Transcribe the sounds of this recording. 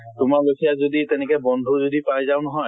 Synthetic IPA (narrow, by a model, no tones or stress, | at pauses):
tʊmaɹbekʰijazoditɛnɛkɛbɔndʱuɹzodipajzaʊnɔɦɔj